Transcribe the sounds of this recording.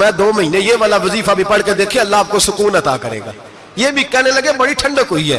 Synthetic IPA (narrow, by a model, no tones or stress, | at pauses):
mɛ̃ːd̪oːmɐɦiːnejeːʋaːlaʋɐziːfabʱipɐɽ̤ked̪eːkʰieɐlːaaːp̚kosʊkuːnɐt̪a̰ːkəɾḛːɡa̰ː | jeːbʱikɛːnelɐɡebɐɽiʈʰə̃ɳɖəkɦoiɦɛ̰ː